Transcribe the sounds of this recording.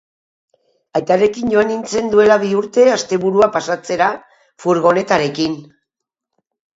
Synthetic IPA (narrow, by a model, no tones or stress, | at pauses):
ajt̪are̞kiɲɟo̞anint͡se̞nd̪ue̞laβiuɾt̪e̞ast̪e̞βuɾuapasat͡se̞ɾa | fuɾɣo̞ne̞t̪aɾe̞kin